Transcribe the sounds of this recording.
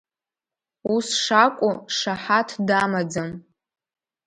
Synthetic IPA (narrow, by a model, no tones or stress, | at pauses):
usʂakʷʼuʂaħatʰdamad͡zam